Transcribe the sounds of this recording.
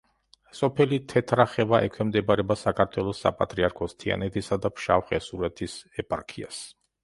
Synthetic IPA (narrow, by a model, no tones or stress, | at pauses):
sʼɔpʰɛlit̪ʰɛt̪ʰɾaχɛvaʔɛkʰwɛmd̪ɛbaɾɛbasakʰaɾt̪ʰwɛlˠɔsːa̰pʼa̰t̪ʼɾiaɾkʰɔst̪ʰia̰nɛt̪ʰisad̪apʰʃafχʼɛsuɾɛt̪ʰisɛpʼa̰ɾkʰia̰s